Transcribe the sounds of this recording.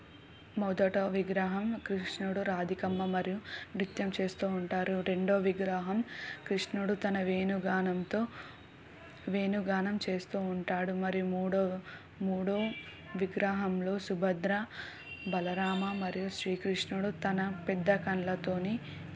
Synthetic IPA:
mɔd̪ɐʈoːʋiɡɾɐɦɐmkɾiʂnuɽuɾaːd̪ʱikɐmːɐmɐɾijuʋɾit̪jɐmt͡ʃe̞ːst̪uːɳʈaːɾuɾe̞ɳɖoːʋiɡɾɐɦɐmkɾiʂnuɽut̪ɐnɐʋeːnuɡaːnɐmt̪o̞ː | ʋe̞ːnuɡaːnɐmt͡ʃe̞ːst̪uːuɳʈaːɽumɐɾijumuːɽo | muːɽoː | ʋiɡɾɐɦɐmlo̞ːsubʱɐd̪ɾɐ | bɐlɐɾaːmɐmɐɾijuʃɾiːkɾiʂnuɽut̪ɐnɐpɛd̪ːɐkɐɳlɐt̪o̞ːni

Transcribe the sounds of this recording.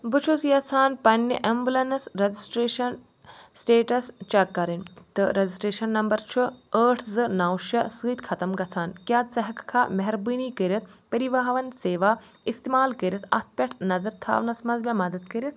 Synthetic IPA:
bɨt͡ʃʰosjɐt͡sʰaːnpɐnʲːiʔɐmbulɐnɐsɾɐd͡ʒisʈɾeːʃɐn | sʈeːʈɐst͡ʃɐkːɐɾɐnʲt̪ɨɾɐd͡ʒisʈɾeːʃɐnːɐmbɐɾt͡ʃʰuəːʈʰzɨnawʃɐsɨːt̪ʲkʰɐt̪ɐmɡɐt͡sʰaːnkjaːt̪sɐɦɐkkʰaːmɐɦɾbɨːniːkəɾʲɐt̪̚ʰpɐɾiʋɐɦʋɐnseːʋaː | ist̪emaːlkəɾʲɐt̪ʰɐ̰t̪̚ʰpʲɐʈʰnɐzɐɾt̪ʰa̰ːʋnɐsmɐnzmʲɐ̃mɐd̪ɐd̪kɐɾʲɐt̪̚

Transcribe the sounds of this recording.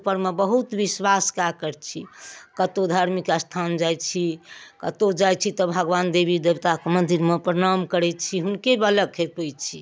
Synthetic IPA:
pəɾmebəɦut̪ʋiswaskakəɾt͡ʃʰikət̪od̪ʱaɾmikast̪ʰand͡ʒajt͡ʃʰikət̪od͡ʒajt͡ʃʰit̪ɔbʱəɡʋand̪ebid̪ebt̪akmənd̪iɾmepɾənamkəɾɛt̪t͡ʃʰiɦunkebələɡkʰepəjt͡ʃʰi

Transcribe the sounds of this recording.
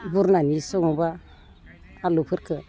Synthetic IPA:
buɾnanisoŋuba | alupəɾkə

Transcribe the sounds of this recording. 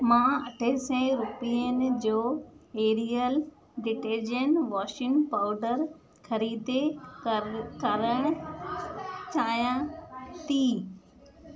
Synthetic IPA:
mãːɐʈʰəsɛ̃ɾʊpiənɪ̆d͡ʑoːeːɾijəl | ɖɪʈeːd͡ʑənʋaːʃɪ̃ŋpaːʊɖəɾ | xɐɾiːd̪e | kɐɾəɽ̃ʊ | t͡ɕaːjãt̪iː

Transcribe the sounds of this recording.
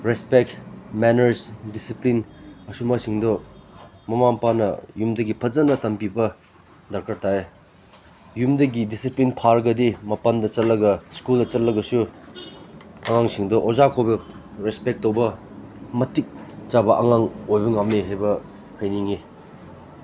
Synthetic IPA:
ɾespek̚tmɛnɐɾsdisiplinɐsumasiŋdɔ | mɐmampanɐ̰jumdɐɡipʰɐzɐnɐtɐmpibɐ | dɐɾkʰaɾtʰae | jumdɐɡidisiplinpʰaɾɡɐdimɐpɐndɐt͡ʃɐt̚lɐɡɐskuldɐt͡ʃɐt̚lɐɡɐsu | ɐŋaŋsiŋdɔʔozakʰojbɐ | ɾespek̚tːowbɐ | mɐtːik̚t͡ʃabɐʔɐŋaŋojbɐŋamneɦajbɐ | hʰɐjniŋi

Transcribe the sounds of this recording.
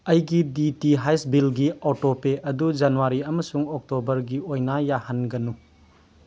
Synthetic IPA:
ɐjɡiditiɦajsbilɡiotopeʔɐdud͡ʒanuwaɾiɐmɐsuŋok̚tobɐɾɡiojnajahɐnɡɐnu

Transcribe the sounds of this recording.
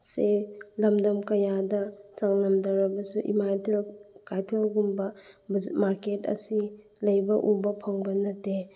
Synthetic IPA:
selɐmdɐmkɐjadɐt͡ʃaŋnɐmdɐɾɐbɐsuʔḭmajtlkajtʰelɡumbɐ | zmaɾketɐ̰si | lɐjbɐʔubɐpʰɐŋbɐnɐte

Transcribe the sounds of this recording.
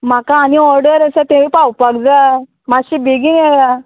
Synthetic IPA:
m̤akaːniɔɾɖəɾəsət̪ẽʋipawpaɡd͡za | maɕiːbiɡiŋɛla

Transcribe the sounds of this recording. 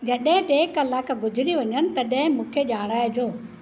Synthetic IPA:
d͡ʑɐɗɦɪ̃ʈeːkːɐlaːkɡʊd͡ʑɪɾiʋɐɲənɪ̆t̪ɐɗɐ̃ɦɪ̃mũːkʰeʄaːɽ̃aːɪd͡ʑoː

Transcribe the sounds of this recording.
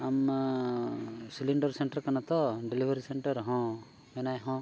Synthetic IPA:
am | siliɳɖɔɾseɳʈɐɾkanat̪ɔɖelibʱeɾiseɳʈəɾɦɔ̃ | mɛnajɦɔ̃

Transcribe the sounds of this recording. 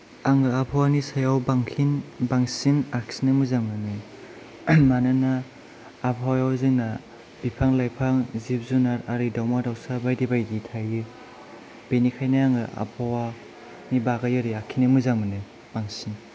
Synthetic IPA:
aŋɯapʰawanisajawbaŋkʰinbaŋsinaksinɯmuzamɯnɯ | manɯnaː | pʰawjawziŋna | b̥ipʰaŋlajpʰaŋzip̚zunaɾaɾidawmadawsabajdibajditʰajɯ | b̥enikʰajnaaŋɯʔa̰pʰawa | nibaɡajɯɾiakʰinɯmɯzamɯnɯ | b̥aŋsin

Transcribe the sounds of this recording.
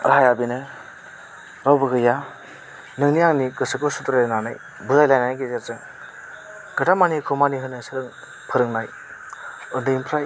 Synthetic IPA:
ɾɦajabinɯ | ɾawbɯɡɯja | nɯŋniaŋnikɯsɯkosutɾalnana̰j | buzajlajnajɡezeɾzɯŋ | ɡ̥ɯdamanikʰumaniɦɯnɯsɯɾɯŋ | pʰɯɾɯŋnaj | ɯndɯimpʰɾaj

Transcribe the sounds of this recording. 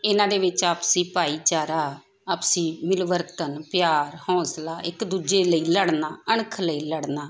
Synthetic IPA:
ɪnãːd̪eːʋɪt͡ʃaːpsĩːpaːiːt͡ʃaːɾaː | aːpsĩːmɪlʋəɾt̪ənpjaːɾhɔ̃ːslaːʔɪkd̪uːd͡ʒeːləiːləɽnaːəɳkʰləiːləɽnaː

